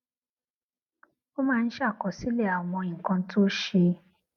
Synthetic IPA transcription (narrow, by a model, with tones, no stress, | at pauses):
o˦mãː˦˧n̩˦ʃa˦˨kɔ˨si˦lɛ˦˨a˨w̃ɔ̃˧ĩ˨kã˧˦to˦ʃe˧